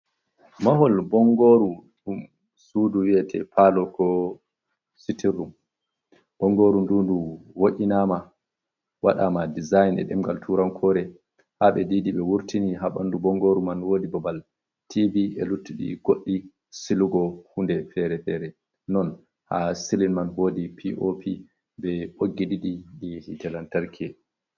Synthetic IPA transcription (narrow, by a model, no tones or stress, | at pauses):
maɦɔlbɔŋɡoːɾuɗum | suːduwiɛtʰɛ̰pʰalɔkɔ | sitirːum | b̥ɔŋɡoːɾundunduwoʔʲinama | wa̰ɗamadizajnɛ̰ɗɛ̰mɡaltʰuɾankʰɔːɾɛ | haɓɛdiːdiɓɛwuɾtiniɦaɓandubɔŋɡoɾumanwoːdibɔbal | tʰibiɛ̰lutːiɗḭɡ̥oɗːi | siluɡɔhundɛfɛɾɛfɛɾɛ | nɔn | ha̰silinmanhoːdipʰiʔopʰi | bɛɓoɡːiɗiɗiɗihitɛlantaɾkʰɛ